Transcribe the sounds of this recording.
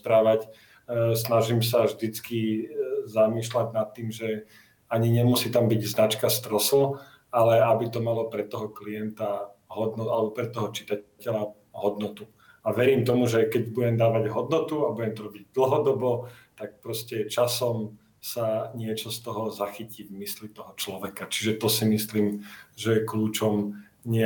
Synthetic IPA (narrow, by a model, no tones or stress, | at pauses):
pɾaːʋac | snaʒiːmsavʒd̪it͡ski | zamiːʃlaɟnat̪ːiːmʒɛ | aɲiɲɛmusiːt̪ambiɟznat͡ʃkast̪ɾɔsl̩ | alɛabit̪ɔmalɔpɾɛt̪ːɔɦɔklijɛnt̪aɦɔd̪nɔalɛbɔpɾɛt̪ːɔɦɔt͡ʃi̥t̪acɛʎa | ɦɔd̪nɔt̪u | aʋɛɾiːmt̪ɔmuʒɛkɛɟbuɟɛmd̪aːʋaɟɦɔd̪nɔt̪uabuɟɛmt̪ɔɾɔbiɟ̚d̪l̩ɦɔd̪ɔbɔt̪ak̚pɾɔscɛt͡ʃasɔm | saɲɪɛt͡ʃɔst̪ɔɦɔzaxicivmislit̪ɔɦɔt͡ʃlɔʋɛkat͡ʃiʒɛt̪ɔsimisliːmʒɛjɛkluːt͡ʃɔm | ɲɪɛ